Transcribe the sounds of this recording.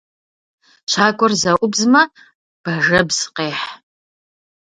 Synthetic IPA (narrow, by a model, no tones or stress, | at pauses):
t͡ʃʷʰaːkʷʼɔrzɐʔʷʼʊbzmɐ | b̥ɐʒɐbz̥qeːħ